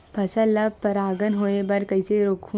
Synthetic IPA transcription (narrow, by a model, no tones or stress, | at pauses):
pɐsəlɐpɐɾaːɡənɦoːebɐɾkɐiseɾoːkʰũ